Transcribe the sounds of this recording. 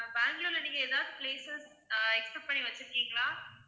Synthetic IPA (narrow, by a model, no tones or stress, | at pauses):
baːŋɡloːlɐniːŋɡɐeːðaːʋðɯpleːses | ɛksɛpʈ̚pɐɳːiʋɐt͡ʃːɪɾɯkːiːŋɡɐɭaː